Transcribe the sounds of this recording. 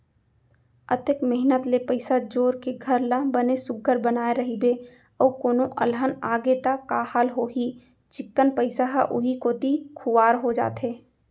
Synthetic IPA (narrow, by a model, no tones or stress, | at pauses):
ət̪ekmɪɦnət̪lepəɪsad͡ʒoːɾkeɡʱəɾlãbənesʊɡːəɾbənaːeɾəɦibe | əːkoːnoʔə̰lɦənaːɡet̪akaːhaːlɦoːɦi | t͡ʃɪkːənpəɪsaɦaʔʊ̰ɦikoːt̪ikʰʊːaːɾɦod͡ʒa̰ːt̪ɦeː